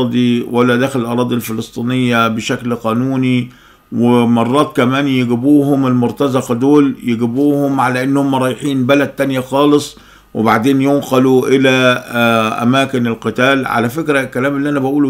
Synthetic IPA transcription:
d̪ˤiwʔalːæd̪æːxɪllʔɑɾˤɑːd̪ˤilfɪlɨsˤt̪ˤiːnɪjːabɪʃæklqɑːnuːni | wɪmɑrˤːɑːt̪̚kæmæːnjɪɡɪbuːhʊmɪlmʊɾt̪ɑzɑqɑd̪oːljɪɡɪbuːhʊmʕalæʔɪnːhʊmːæɾˤɑːjħiːnbælæd̪̚t̪ːænjaxɑːlɨsˤ | wɪbaʕd̪eːnjʊnqɑluʔɪlæ | ʔæ̰mæːkɪnɪlqɨt̪æːlʕa̰læfɪkɾælkːælæːmlːiʔænæbæʔuːl

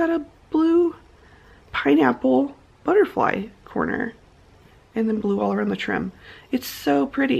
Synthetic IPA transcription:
ɨɾəb̥lu | pʰãɪ̃næpl̩ˠ | b̥ʌɾə˞fla̰ɪkʰɔ̰ɹnə̰˞ | ɨ̃nðɨ̃nbluɔlˠə˞ãʊ̃nðɨtʰɹ̥ɪ̰̃mɨtsoʊpʰɹ̥ɪɾi

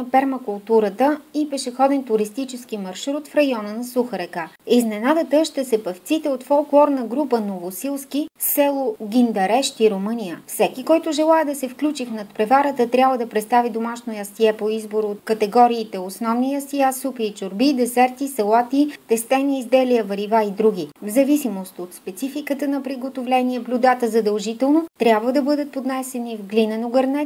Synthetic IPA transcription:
pɛɾmɐkʊlˠt̪uɾət̪əipɛʃɛxɔd̪ɛnt̪ʊɾist̪it͡ʃɛskimɐɾʃɾut̪fɾɐjɔnənɐsuxəɾɛkaiznɛnad̪ət̪əʃt̪ɛsɛpɐft̪sit̪ɛot̪fɔlˠklˠɔɾnəɡɾupənovosilˠskisɛlˠoɡ̟ʲind̪ɐɾɛʃt̪iɾomɤnijəfsɛkikɔjt̪ʊʒɛlˠaɛd̪ɐsɛfklʲut͡ʃixnɐt̪pɾɛvaɾət̪ət̪ɾʲabvəd̪ɐpɾɛt̪st̪avid̪omaʃnojɐst̪iɛpoizboɾot̪̚kət̪ɛɡɔɾiːt̪ɛosnɔvnijɐsiasupiːt͡ʃʊɾbid̪ɛsɛɾt̪isɛlˠat̪it̪ɛst̪ɛniizd̪ɛliəvəɾivaid̪ɾuɡ̟ivzɐvisimost̪ot̪spɛt̪sifikət̪ənɐpɾiɡot̪ovlɛniɛblʲud̪at̪əzɐd̪əlˠʒit̪ɛlˠnot̪ɾʲabvəd̪ɐbɤd̪ət̪̚pod̪nɛsɛnivɡlinɛnoɡɐɾnɛ

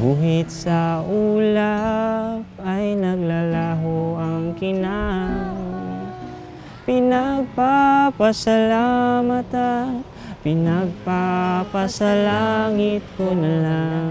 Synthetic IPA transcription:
buːɦɪt̪sɐʔula | pajnɐɡlalaɦoɐŋkɪna | pɪnaɡ̚papasalamat̪an | pɪnɐɡ̚papɐsalaŋɪt̪̚konɐla

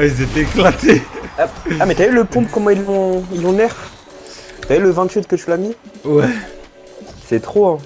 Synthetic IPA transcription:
izet̪ɛeklat̪eaamɛt̪yayləpɔ̃pkɔmɑ̃ilːɔ̃ilːɔ̃nɛʁ | t̪yayləvɛ̃t̪ɥit̪kət̪ylamiwɛ | sɛt̪χoɛ̃

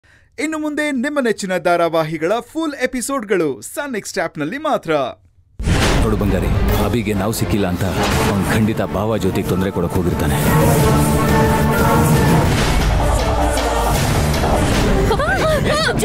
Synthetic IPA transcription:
inːumund̪e̞nimːɐnet͡ʃːinɐd̪aːɾaʋaːɦiɡɐɭɐpʰuːlepisoːɖɡɐɭusɐːneksʈaːpnɐlːimaːt̪ɾɐ | t̪oːɽubɐŋɡaːɾḭɐbiːɡenaːʋusikːilːaːnt̪ɐɐɐnɡkʰɐɳɖit̪ɐbaːʋad͡ʒoːt̪eɡet̪ond̪ɾekɔɽɐkːɦoːɡiɾt̪aːne

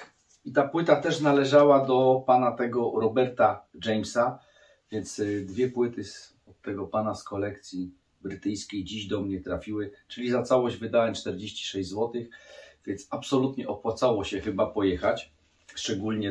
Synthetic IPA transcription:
it̪apwɘt̪at̪ɛʂnalɛʐawad̪ɔpanat̪ɛɡɔɾɔbɛɾt̪ad͡ʐɛjmsa | vʲjɛnt̪sd̪vʲjɛpwɘt̪ɘs | ɔt̪ːɛɡɔpanaskɔlɛk̚t̪sʲji | bɾɘt̪ɘjskʲejd͡ʑiʑd̪ɔmɲɛt̪ɾafʲiwɘt͡ʂɘlʲizat̪sawɔʑd͡ʑvɘd̪awɛmt͡ʂt̪ɛɾd͡ʑeɕt͡ɕi̥ʂɛʑd͡ʑzwɔt̪ɘxvʲjɛnsapsɔlut̪ɲɛʔɔpwat̪sawɔɕɛxɘbapɔjɛxat͡ɕ | ʂt͡ʂɛɡulʲɲɛ

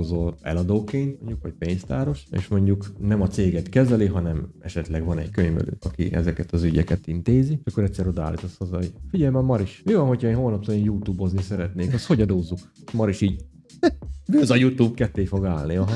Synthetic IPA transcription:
ozolɛ̰lɒd̪oːkeːnt̪mo̞ɲɟukʋocpeːnst̪aːɾo̞ʃḛːʃmo̞ɲɟuknɛmɒt̪seːɡɛt̪kɛzɛliɦɒnɛmɛ̰ʃɛt̪lɛɡʋɒnɛckøɲvɛ̰lø̰ːɒkḭʔɛ̰zɛkɛt̪ɒzyɟɛkɛt̪int̪eːziʃɒkːoɾɛt̪sɛːɾod̪a̰ːlːit̪o̞shɒzɒjifiɟɛjmɛmɒɾiʃmivɒnɦo̞cʰhɒeːnɦo̞lnɒpt̪oneːnjuːt̪uːbo̞znisɛɾɛt̪neːkɒsho̞ɟɒd̪oːzːuk | ʃmɒɾiʃiːɟ | ɡøːzɒjuːt̪uːbkɛt̪ːeːfo̞ɡaːlniɒɦ

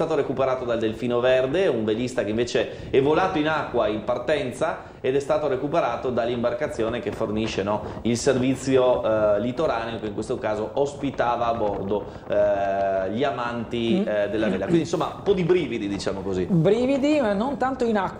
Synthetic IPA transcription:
t̪aːt̪oɾekupeɾaːt̪od̪ald̪elfiːnoverd̪euɱvelist̪akeiɱveːt͡ʃe | ɛvolaːt̪oinakːwaimpart̪ɛnt̪sa | ed̪ɛst̪aːt̪oɾekupeɾaːt̪od̪alːimbarkat̪sːjoːnek̟efːorniʃenɔilservit̪sːjolit̪oɾaːneokeiŋkwest̪okaːzoʔospit̪aːvaːbɔrd̪o | ʎiamant̪id̪elːavelːakwind̪insomːaumpɔd̪ibɾiːvid̪id̪it͡ʃaːmokozibɾivid̪imanont̪ant̪oinakː

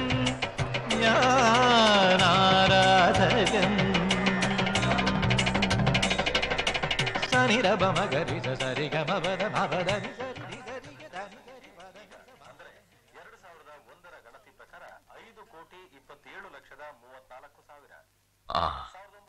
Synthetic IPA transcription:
jaː | naːɾat̪ɐɡɐm | saːniɾɐbɐmɐɡɐɾid͡ʒɐsɐːɾiɡɐmɐbʱɐd̪ɐmabɐd̪ɐnisɐɾidiɡ̪ɐɾiɡɐd̪aniɡɐɾimɐd̪ɐnɐmand̪ɾe | ɛɾɐɽusaːʋiɾɐd̪ɐɔnd̪ɐɾɐɡɐɭɐt̪ipɾɐkaːɾɐɐjd̪ukoːʈiipːɐt̪ːeːɭulɐkʂɐd̪ɐmuːʋɐt̪naːlɐkːusaːʋiɾɐ̰ | a̰ːɐ

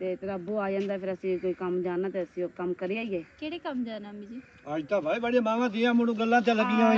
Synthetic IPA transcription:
t̪eːt̪ɾaːbuːaːid͡ʒãːnd̪aːpʰɪɾəsĩːkoːiːkəmd͡ʒaːnaːt̪eːəsĩokəmkəɾiːaːiːɛːkeːɽeːkəmd͡ʒaːnaːmĩːd͡ʒiː | aːt̪aːbaːibəɽeːmãːʋãːsiːãːmʊɽ̃ũːɡəlːãːt̪̬ələɡiãːẽ

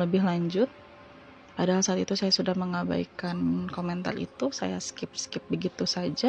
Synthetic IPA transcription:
ləbɪhlaɲd͡ʒʊt̪̚ | padaɦalsaat̪it̪usajasudahməŋaba̰ikankomɛnt̪a̰rḭt̪usa̰ja̰skɪp̚skɪp̚bəɡit̪usad͡ʒa

